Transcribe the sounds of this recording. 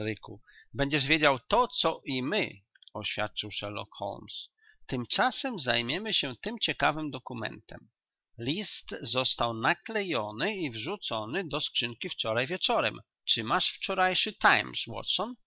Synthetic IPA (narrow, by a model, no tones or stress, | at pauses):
ɾɘkṵ | bɛɲd͡ʑɛʐvʲjed͡ʑawt̪ɔt̪sɔʔimɘ | ɔɕfʲja̰t̪̚t͡ʂɨwʂɛɾlɔ̰kxɔ̰lms | t̪ɘmt͡ʂasɛmzajmʲjɛmɘɕɛt̪ɘmt͡ɕɛkavɘmd̪ɔkumɛ̰nt̪ʰɛ̰m | lʲist̪zɔst̪awnaklɛjɔnɘivʐut̪sɔnɘd̪ɔskʂɘŋkʲift͡ʂɔɾajvʲjɛt͡ʂɔɾɛ̰m | t͡ʂɘmaʂft͡ʂɔɾajʂɘt̪ajmswɔ̰tsɔn